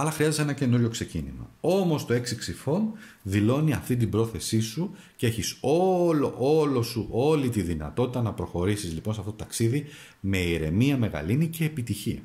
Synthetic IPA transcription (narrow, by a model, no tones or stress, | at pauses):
ɐlɐxɾiɐzesenɐce̞nuɾʝo̞kse̞cḭnḭmɐ̰o̞mo̞st̪o̞e̞ksiksifo̞nðilo̞niɐft̪ind̪ibɾo̞θe̞sisu | cee̞çiso̞lo̰ʔo̞lo̞suʔo̞lit̪iðinɐ̰t̪o̞t̪i̥t̪ɐnɐpɾo̞xo̞ɾisizlipo̞nsɐft̪ot̪ot̪ɐksiði | me̞iɾe̞miɐme̞ɣɐ̰linice̞ːpit̪içiɐ